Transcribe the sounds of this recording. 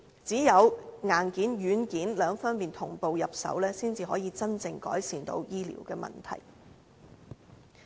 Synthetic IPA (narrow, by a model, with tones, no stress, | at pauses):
t͡siː˨˥jɐ˨˧wŋaː˨˩nkiː˨˥njyː˨˥nkiː˨˥nlœː˨˧ŋfɔ˥npiː˨nt̪ʰʊ˨˩ŋpo˨wjɐ˨p̚sɐ̰˨˥wlɛː˥siː˥nt͡siː˨hɔː˨˥jiː˨˧t͡sɐ˥nt͡sɪ˨ŋkɔ̰ː˨˥jsiː˨nt̪o̰˨˥wjiː˥lḭː˨˩wkɛː˧mɐ̰˨nt̪ʰɐ̰˨˩j